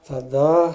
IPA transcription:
tɐˈdɐ

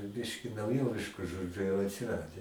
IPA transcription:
ˈbʲɪʃʲkʲɪ nɐʊˈjoːʋʲɪʃkʊ ˈʒoːd͡ʒʲʊ jɛʊ ɐtʲsʲɪˈrɑːdʲɛ

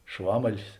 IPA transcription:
ˈʃʋɑːmɐlʲɪs

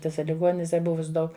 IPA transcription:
tʲɪˈsɐ lʲɪˈɡoːnʲɪnʲɪsʲɛ ˈbʊʋʊs ˈdɐʊk

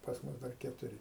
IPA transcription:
pɐs ˈmʊs dɐr kʲɛtʊˈrʲɪ

